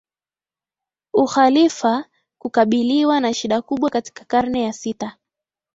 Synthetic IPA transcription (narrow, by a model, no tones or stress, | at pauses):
uxalifa | kukaɓiliwanaʃiɗakuɓwakati̥kḁkaɾnɛjasita